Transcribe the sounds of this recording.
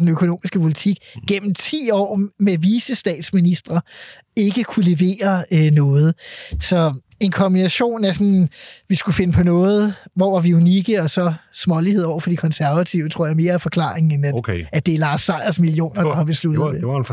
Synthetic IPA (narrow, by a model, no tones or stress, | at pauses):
enøkʰo̝no̝̰ːmisɡ̥əpʰo̝lit͡sʰiɡ̥̚ɡ̥en̰m̩t͡sʰḭːɒ̰ːmeʋisəsd̥ɛ̰ːd̥sminisd̥ʁɐ | e̝ɡ̥əkʰule̝ʋe̝̰ːɐnɔ̽ːð̞̩ˠsɒ̽ | e̝nkʰɒ̽mb̥inæɕo̝̰ːnæsɒ̽nʋisɡ̥ufe̝nəpʰɒ̽nɔ̽ːð̞̩ˠʋɒʋɑʋioniɡ̥əɒ̽sɒ̽smɒ̽liheðˠɒ̰ʊ̰ɐfɒ̽d̥ikʰɒ̽nsæɐʋæt͡sʰḭʊt͡sʰʁo̝ɐ̰jɑme̝ːɐæfɒ̽kʰlɑ̰̈ːʁeŋn̩enæ̥æd̥e̝æɐlɑ̈ːsːɑ̈ɪɐsmilio̝̰ːnɐd̥ɑ̈hɑ̈b̥e̝slud̥ð̩ˠe